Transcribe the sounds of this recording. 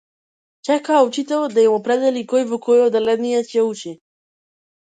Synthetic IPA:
t͡ʃɛkaut͡ʃit̪ɛld̪ajimopɾɛd̪ɛlikojvokʰojod̪ɛlɛd̪nijat͡ɕɛut͡ʃi

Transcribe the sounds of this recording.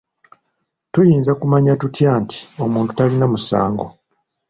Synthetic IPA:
tujiːnzakumaɲatutjaːnti̥o̞muːntu̥talinamusa̰ːŋɡo̞

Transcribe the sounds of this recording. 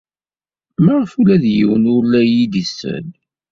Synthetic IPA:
məʁəfulæðjḭwənʊɾlæjid̪isːə̰l

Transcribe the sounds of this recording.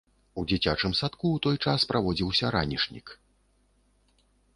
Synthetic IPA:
ud͡zʲit͡sʲat͡ʂɨmsat̪kuːt̪ɔjt͡ʂaspɾʔavɔd͡zʲiwsʲɐɾanʲiʂnʲḭk

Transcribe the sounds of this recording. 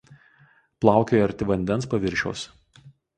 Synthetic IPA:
plˠɑˑʊkʲoːjɐɾʲt̪ʲɪʋɐnʲd̪ʲɛnspɐʋʲɪɾʲʃʲɛ̰ʊs

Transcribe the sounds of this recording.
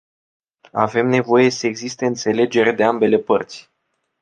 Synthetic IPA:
ave̞mne̞vo̞je̞səeɡzist̪e̞ɨnt̪se̞le̞d͡ʒe̞ɾed̪e̞ambe̞le̞pərt̪sʲ

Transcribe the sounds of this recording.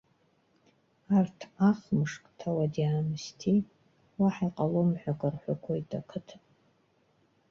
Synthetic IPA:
artʰaχmɨʂkʼtʰawadiaːmɨstʰi | waħiqʼalomħʷᶣakʼarħʷakʷʰoitʰʼakʰɨtʰʼ

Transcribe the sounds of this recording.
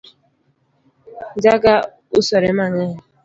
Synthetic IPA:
d͡ʒaɡa | usɔɾemaɲe

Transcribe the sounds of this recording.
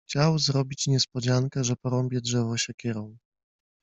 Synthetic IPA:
xt͡ɕawzɾɔbʲit͡ɕɲɛspɔd͡ʑaŋkɛʐɛpɔɾɔmbʲjɛdʐɛvɔɕɛkʲɛɾɔw

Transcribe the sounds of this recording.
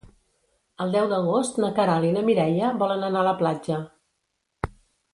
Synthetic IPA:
əlˠd̪ɛwd̪əɣost̪nəkəɾalinəmiɾɛʎəβɔlənənaələplad͡ʒə

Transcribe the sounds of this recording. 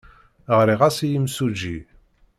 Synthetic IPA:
ʁɾiʁasijimsud͡ʒi

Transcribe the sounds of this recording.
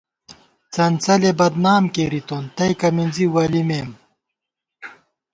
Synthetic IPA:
t͡sɐnt͡sɐlebɐd̪naːmkeɾit̪ont̪ɐjkɐminziwɐlimeːm

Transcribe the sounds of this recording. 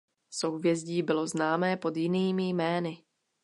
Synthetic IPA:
sowvjɛzɟiːbɪlo̞znaːmɛːpo̞d̪jɪniːmɪjmɛːnɪ

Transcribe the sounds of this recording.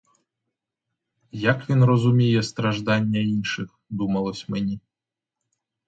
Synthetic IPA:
jɐkʋʲinrɔzʊmʲijɛst̪ɾɐʒd̪ɑnʲːɐinʃɪx | d̪umɐlˠɔsʲmenʲi

